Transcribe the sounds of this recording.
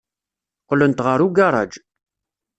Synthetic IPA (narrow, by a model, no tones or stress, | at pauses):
qlənt̪ʁəɾuɡaɾˤɑ̰d͡ʒ